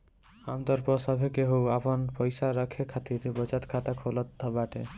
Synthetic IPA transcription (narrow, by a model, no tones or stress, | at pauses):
amt̪ɔɾpɔsɔbʱekeɦowapɔnpɔjsaɾʌkʰekʰat̪it̪ebɔt͡ʃat̪kʰat̪akʰolɔt̪d̪ɔbaʈḛ